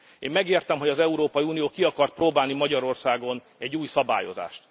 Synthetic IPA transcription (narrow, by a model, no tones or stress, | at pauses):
eːmːɛɡeːrt̪ɛmɦo̞ɟɒzɛuɾoːpɒjiuːnijoːkiɒkɒrt̪̚proːbaːlnimɒɟɒɾo̞rsaːɡo̞n | ɛɟːuːjsɒba̰ːjo̞̰za̰ːʃt̪